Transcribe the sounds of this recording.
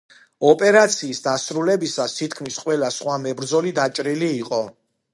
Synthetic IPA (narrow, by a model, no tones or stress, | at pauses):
ɔpʼɛɾat̪sʰiːsd̪asɾulɛbisasʰit̪ʰkʰmisqʼwɛlasχwamɛbɾd̪zɔlid̪at͡ʃʼɾiliːqʼɔ